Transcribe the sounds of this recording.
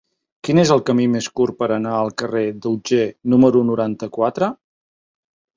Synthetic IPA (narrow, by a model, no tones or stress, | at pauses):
kinezəlˠkəmimeskurpəɾənaəlˠkəred̪uwd͡ʒenuməɾunuɾant̪əkwat̪ɾə